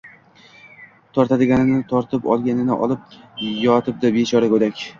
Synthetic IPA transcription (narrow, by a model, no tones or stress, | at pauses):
t̪ʰɒɾt̪ʰad̪ɪɡʲanɪnɪt̪ʰɒɾt̪ʰɪpɒ̰lˠɡʲanɪnɪ̰ʔɒ̰lˠɪp̚jɒt̪ʰɪp̚d̪abet͡ʃʰɒɾakɵd̪akʲ